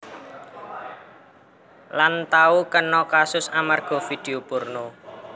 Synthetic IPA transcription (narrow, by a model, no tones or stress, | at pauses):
lant̪aukənɔkasʊsamarɡ̥ɔ̤fid̪̥e̤opʊrno